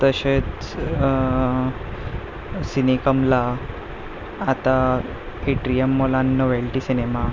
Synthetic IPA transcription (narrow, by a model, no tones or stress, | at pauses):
t̪əɕet͡s | sinikəmla | t̪a | eʈɾijəmːolanːoʋelʈisinema